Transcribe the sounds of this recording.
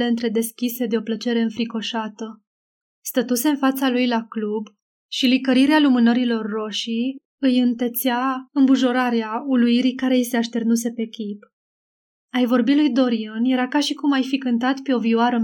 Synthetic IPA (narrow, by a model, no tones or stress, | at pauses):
e̞ɨnt̪ɾe̞d̪e̞skʲise̞d̪eo̞plət͡ʃe̞ɾe̞ɨnfɾiko̞ʃat̪ə | st̪ət̪use̞ɨnfat̪salujlaklub | ʃilikəɾiɾealumɨnəɾilo̞rːo̞ʃi | ɨjɨnt̪e̞t̪seaɨmbuʒo̞ɾaɾeauluiɾikaɾe̞ise̞aʃt̪e̞rnus̬e̞pe̞kʲip | ajvo̞rbilujd̪o̞ɾiɨnje̞ɾakaʃikumajfikɨnt̪at̪peo̞viwaɾə